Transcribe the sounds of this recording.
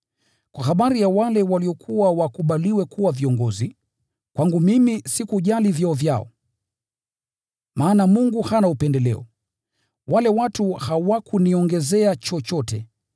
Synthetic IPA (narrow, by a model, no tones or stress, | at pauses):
kwaxaɓaɾijawalɛwaliɔkʰuwawakuɓaliwɛkuwaviɔŋɡɔzi | kwaŋɡumimisikuʄalivjɔɔvjaɔ̰ | maːnamuŋɡuhanaupɛndɛlɛ̰ɔ̰ | walɛwatuhawakuniɔŋɡɛzɛat͡ʃɔt͡ʃɔtɛ